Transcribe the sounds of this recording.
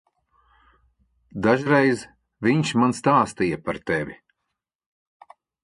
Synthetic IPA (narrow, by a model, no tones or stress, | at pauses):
d̪aʒɾejz | viɲʃmanst̪aːst̪ijapaɾt̪ɛvʲi